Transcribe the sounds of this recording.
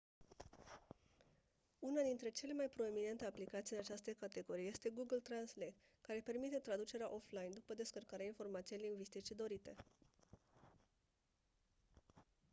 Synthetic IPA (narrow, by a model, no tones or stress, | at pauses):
unad̪int̪ɾe̞t͡ʃe̞le̞majpɾo̞e̞mine̞nt̪e̞aplikat̪siɨnat͡ʃast̪e̞kat̪e̞ɡo̞ɾijje̞st̪e̞ɡuɡəlt̪ɾanslejt̪ | kaɾe̞pe̞rmit̪e̞t̪ɾad̪ut͡ʃe̞ɾeaʔo̞flajnd̪upəd̪e̞skərkaɾeainfo̞rmat̪sijejliŋɡvist̪it͡ʃid̪o̞ɾit̪e̞